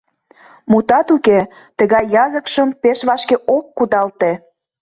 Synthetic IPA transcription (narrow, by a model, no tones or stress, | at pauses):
mut̪ɑt̪uke | t̪ə̆ɣɑjːɑzəkʃəmpeʃβɑʃkeʔokːud̪ɑlt̪e